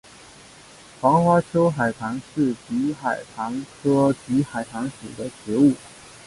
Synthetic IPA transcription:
fwɑ˧˥ŋxwa˥t͡ɕʰjo˥ʊxa˨˩ɪt̪ʰa˧˥ŋʂɻ̩˥˩t͡ɕi˧˥xa˨˩ɪt̪ʰa˧˥ŋkʰɤ˥t͡ɕi˧˥xa˨˩ɪt̪ʰa˧˥ŋʂṵ˨˩d̪ə˦ɕɥɛ˧˥u˥˩

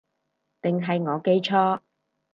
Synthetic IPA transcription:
t̪ɪ˨ŋɦɐ˨jŋɔː˨˧˥ke˧˥jt͡ʃʰɔː˥

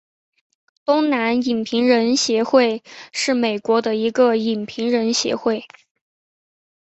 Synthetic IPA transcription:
t̪ʊ˥ŋna˧˥ni˨˩npʰi˧˥ŋɻə˧˥nɕjɛ˧˥xwe˥˧ɪʂɻ̩˥˩me˨˩ɪkwɔ˧˥d̪ə˧i˧˥ɡə˧i˨˩npʰi˧˥ŋɻə˧˥nɕjɛ̰˧˥xwe˥˩ɪ

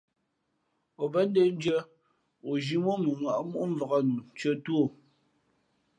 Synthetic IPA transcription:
ɔ˨bə˦n̩˦de˦n̩˦d͡ʒə˦ | o˨ʒi˦mo˦mə˨ŋa˨ʔmu˦ʔm˦və˨ɣa˦nu˨n˦t͡ʃə˦tu˦o˦˨

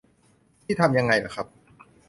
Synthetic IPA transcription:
t̪ʰiː˥˩t̪ʰa˧mja˧ŋːa˧jla̰˨˩kʰa˦˥p̚

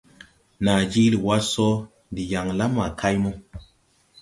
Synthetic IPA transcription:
na˨d͡ʒi˦li˨wa˦sɔ˦ | ndi˨ja˨ŋla˦ma˨kʰa˦jmu˦

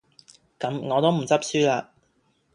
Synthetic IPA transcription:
kɐ˨˥mŋɔː˨˧t̪o˥wm̩˨˩t͡sɐ˥p̚syː˥laː˧

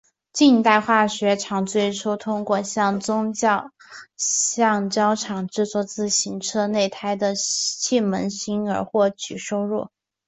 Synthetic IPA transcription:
t͡ɕi˥˧ni˧˥t̪a˥˧ɪxwa˥˩ɕɥɛ˧˥ʈ͡ʂʰɑ˨˩ŋt͡swe˥˩ɪʈ͡ʂʰo˥ʊt̪ʰʊ˥ŋkwɔ˥˧ɕjɑ˥˩ŋt͡sʊ˥ŋt͡ɕjɑ˥˧ʊ | ɕjɑ˥˩ŋt͡ɕjɑ˥ʊʈ͡ʂʰɑ˨˩ŋʈ͡ʂɻ̩˥˧t͡swɔ˥˧t͡sɹ̩˥˩ɕi˧˥ŋʈ͡ʂʰɤ˥ne˥˩ɪt̪ʰa˥ɪd̪ə˨t͡ɕʰi˥˩mə˧˥nɕi˧˥ŋə̰˞˧˥xwɔ˥˩t͡ɕy˨˩ʂo˥ʊɻwɔ˥˩

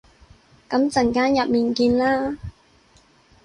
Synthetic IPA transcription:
kɐ˨˥mt͡sɐ˨˩ŋkaː˥njɐ˨p̚miː˨nkiː˧nlaː˥

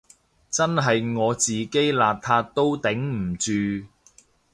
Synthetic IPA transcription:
t͡sɐ˥nɦɐ˨jŋɔː˨˧t͡siː˨ke˥jlaː˨p̚t̪ʰaː˧t̚t̪o˥wt̪ɪ˨˥ŋm̩˨˩t͡ʃyː˨

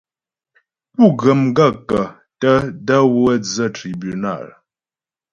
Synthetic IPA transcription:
ku˦˨ɡə˨mɡa˦˨kə˨ | tə˦də˦wə˦d͡zə˦˨tɾi˨bʉ˨na̰˦˨l

